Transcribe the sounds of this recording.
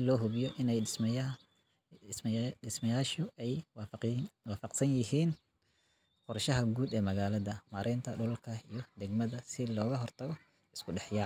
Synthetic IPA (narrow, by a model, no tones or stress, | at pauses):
lɔːɦʊβjɔʔɪnɛjɪs | ɪsmɐjaːʃʊɛj | waːfɑqsɐnjɪɦiːn | qɔrʃɐɦɐɡuːd̪ɛːmɐɣaːlɐðɐmaːɾʔɛnt̪ʰɐɖʊlkʰɐijɞd̪ɛɡmɐðɐsɪlɔːɣɐɦɔrt̪ʰɐɣɔ | ɪskʰʊɖɛħjaː